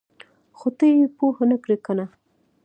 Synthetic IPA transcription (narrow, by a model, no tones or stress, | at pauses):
xot̪əjepohanəkɽekana